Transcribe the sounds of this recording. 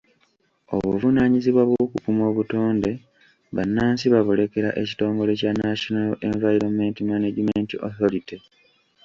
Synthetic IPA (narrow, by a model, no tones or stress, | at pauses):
o̞̰βuvunaːɲiziβwaβoukukumo̞ːβuto̞ːnde̞ | βanːaːnsiβaβule̞ke̞ɾaʔe̞ci̥to̞ːmɡo̞le̞canaʃonaleɱvajiɾome̞ntimaneɟimentiʔo̰θo̞ɾiti